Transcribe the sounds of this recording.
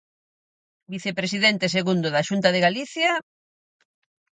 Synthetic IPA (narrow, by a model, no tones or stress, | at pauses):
biθepɾes̬iðent̪es̬eɣund̪oðaʃunt̪aðeɣaliθja